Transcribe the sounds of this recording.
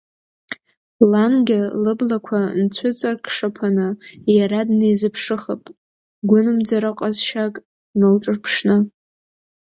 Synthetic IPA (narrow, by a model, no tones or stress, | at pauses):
lanɡʲalɨblakʷʰant͡sʷʰʊt͡sʼarkʰʂapʰanɨjaɾadnejzɨpʰʂɨχapʼ | ɡʷʊnɨmd͡zaɾɨqʼazʃakʼ | nɨlʈ͡ʂʼɨrpʰʂnɨ